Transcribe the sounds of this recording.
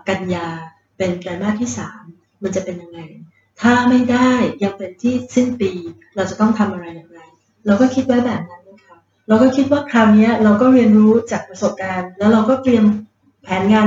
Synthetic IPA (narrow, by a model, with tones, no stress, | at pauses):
ka˧njaː˧ | pe˧nkla˧jmaː˥˩k̚t̪ʰiː˥˩saː˩˦mː | a˧nt͡ɕa˨˩ʔpe˧nja˧ŋːa˧j | t̪ʰaː˥˩ma˥˩jda˥˩jːa˧ŋpe˧nt̪ʰiː˥˩si˥˩ŋpiː˧ | ɾa˧wt͡ɕa˨˩t̪ɔ˥˩ŋt̪ʰa˧mʔa˧ɾa˧jːaː˨˩ŋɾa˧j | lɛː˧wkɔː˥˩kʰi˦t̪̚wa˦˥jbɛː˨˩p̚na˦˥nːa˥˩kʰa˦˥p̚ | ɾa˧wkɔː˥˩kʰi˦˥t̪̚waː˥˩kʰɾaː˧wni˦˥ɐɾa˧wkɔː˥˩ɾi˧ənɾuː˦˥t͡ɕaː˨˩k̚pɾa˧so˨˩p̚kaː˧nlɛː˦˥wɾa˧wkɔː˥˩t̪ɾi˧əm | pʰɛː˩˦nŋaː˧